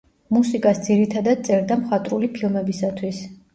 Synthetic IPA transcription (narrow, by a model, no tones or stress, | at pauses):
musikʼasd̪ziɾit̪ʰad̪ad̪̚t̪sʼɛɾd̪amχat̪ʼɾulipʰilˠmɛbisat̪ʰwis